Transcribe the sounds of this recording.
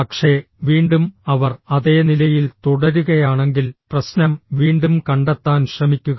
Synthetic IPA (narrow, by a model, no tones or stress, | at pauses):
pɐkʂe̞ | ʋiːɳɖumɐʋɐrɐðe̞ːnilɐjilt̪uɽɐɾuɣɐjaːɳe̞ŋɡilprɐsnɐmʋiːɳɖumkɐɳɖɐt̪ːaːnɕrɐmikʲːuɣɐ